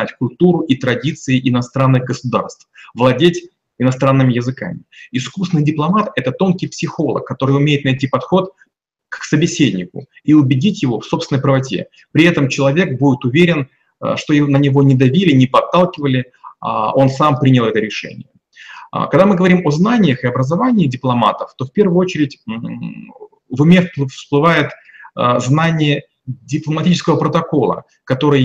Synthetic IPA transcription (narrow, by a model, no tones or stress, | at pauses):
atʲkʊlʲt̪uɾʊʔit̪ɾɐdʲit̪sɨɪʔɪnɐst̪ɾanːɨxɡəsʊd̪a̰rst̪fvlˠɐdʲetʲ | ɪnɐst̪ɾanːɨmʲɪjɪzɨka̰mʲɪɪskusnɨjdʲɪplˠɐmat̪ɛt̪ət̪o̞nkʲɪjpsʲɪxo̞lˠə̰kːɐt̪o̞ɾɨjʊmʲejɪt̪̚nɐjtʲipɐt̪xo̞t̪ | ksəbʲɪsʲedʲnʲɪkʊ̰ | iʊbʲɪdʲitʲjɪvo̞fso̞psʲɪnəjʲpɾəvɐtʲḛ | pɾʲɪɛt̪əmt͡ɕɪlˠɐvʲek̚budʲɪt̪ʊvʲeɾʲɪn | ʂt̪o̞jɪnənʲɪvo̞nʲɪd̪ɐvʲilʲɪnʲɪpɐt̪ːalˠkʲɪvəlʲɪ̰ | o̞nsampɾʲinʲɪlˠɛt̪əɾʲɪʂɛ̰nʲɪ̰jə̰ | kɐɡd̪amɨɡəvɐɾʲimoznanʲɪjəxɪɐbɾəzɐvanʲɪːdʲɪplˠɐma̰t̪əft̪o̞fpʲe̞rvʊjʊot͡ɕɪɾʲɪtʲ | vɨmʲeffsplˠɨvajɪt̪znanʲɪjə | dʲɪplˠəmɐtʲit͡ɕɪskəvəpɾət̪ɐko̞lˠə̰ | kɐt̪o̞ɾɨj